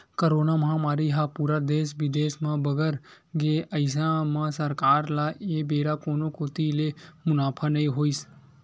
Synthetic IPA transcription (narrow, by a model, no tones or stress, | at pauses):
kəɾoːnamãmaːɾiɦapuːɾad̪eːʃʋɪd̪eːʃmãbəɡəɾ | ɡeəɪs̬ãmãsəɾkaːɾlaebeːɾakoːnokoːt̪ilemʊnaːpʰanɐĩɦoːis